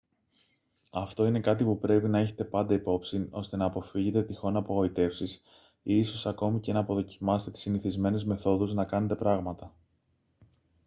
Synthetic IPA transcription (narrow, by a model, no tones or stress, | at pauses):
ɐft̪o̞ine̞kɐt̪ipupɾe̞pinɐ̞çe̞̥t̪e̞pɐnd̪ɐipo̞psino̞̰st̪e̞nɐːpo̞fiʝe̞t̪e̞t̪ixo̞nɐːpoɣo̞it̪e̞fsis | iiso̞sɐko̞mice̞nɐːpo̞ðo̞cimɐst̪e̞t̪i̥siniθizme̞nezme̞θo̞ðuznɐkɐne̞t̪e̞pɾɐɣmɐt̪ɐ